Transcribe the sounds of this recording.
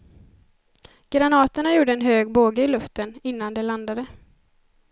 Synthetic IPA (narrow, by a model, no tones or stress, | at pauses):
ɡ̥ɾanɑːt̪əɳajuːɖəɛnɦøːɡboːɡəɪlɵft̪ənɪnːand̪ɛland̪ad̪ə